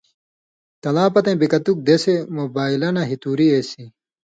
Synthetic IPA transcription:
t̪ɐlãːpɐt̪ẽːbikɐt̪uk̚d̪eːsemoːbaːilɐnɐɦit̪uːɾieːsĩ

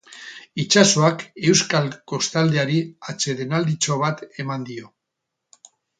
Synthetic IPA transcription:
it͡ʃaso̞ake̞wskalko̞st̪ald̪e̞aɾiat͡ʃe̞ðe̞nald̪it͡ʃo̞β̞at̪e̞mand̪io̞

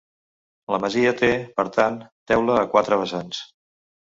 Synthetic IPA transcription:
ləməziət̪epəɾt̪ant̪ɛwləːkwat̪ɾəβəsans

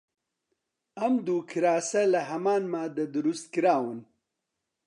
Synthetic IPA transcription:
ɐmd̪uːkʰiɾaːsɐlɐɦɐmaːnmaːd̪ɐd̪uɾust̪̚kiɾaːwun

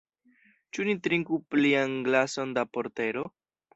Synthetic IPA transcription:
t͡ʃunitɾiŋkuplianɡlaso̞ndapo̞ɾte̞ɾo̞

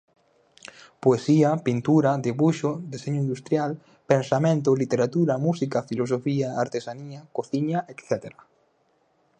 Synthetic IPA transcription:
poesiapint̪uɾad̪eβuʃod̪eseɲoĩnd̪ust̪ɾjal | pensamẽnt̪olit̪eɾat̪uɾamusikafilos̬ofiaaɾt̪esaniakoθiɲaʔekθɛt̪eɾa

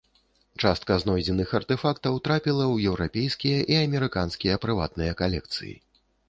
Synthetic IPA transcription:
t͡ʂast̪̚kɐznɔjd͡zʲɛnɨxɐrt̪ɛfakt̪ɐwt̪ɾapʲilˠɐwjɛwɾapʲejskʲijɐʔiɐmʲɛɾɨkanskʲijɐpɾɨva̰t̪̚nɨjɐkalʲɛk̚t̪sɨ̰jḭ

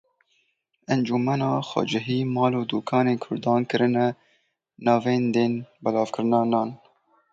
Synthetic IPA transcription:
ʔænd͡ʒuːmɛnɑːxɑ̰d͡ʒɛɦiːmɑːloːd̪uːkʰɑːneːnkʰʊɾd̪ɑːnkɨɾɨnɛ | nɑːveːnd̪eːnbɛlɑːvkɨɾɨnɑːnɑːn

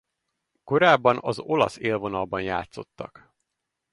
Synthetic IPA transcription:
ko̞ɾaːbːɒnɒzo̞lɒ̰seːlvo̞nɒlbɒnja̰ːt̪so̞t̪ːɒ̰k

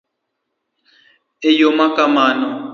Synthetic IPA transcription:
ejomakamanɔ

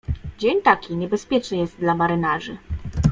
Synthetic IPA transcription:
d͡ʑeɲt̪akʲiɲɛbɛspʲjɛt͡ʂnɘjɛst̪̚d̪lamaɾɘnaʐɘ

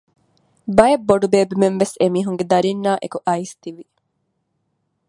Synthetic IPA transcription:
bɐjɐbːoɖubeːbimenʋesemiːɦuŋɡed̪ɐɾinːaːʔekuʔɐist̪iʋi

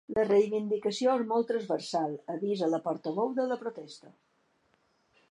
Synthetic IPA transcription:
lərejβind̪ikəsioezmɔlˠt̪ɾəzβəɾsalˠəβizələpɔɾt̪əβowðələpɾot̪ɛst̪ə

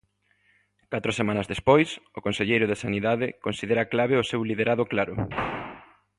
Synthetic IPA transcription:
kat̪ɾʊsemãnɐzðespojsʊkonseʎejɾʊðesaniðaðɪkonsiðeɾɐklaβeʊsewliðeɾʔaðʊklaɾʊ̰

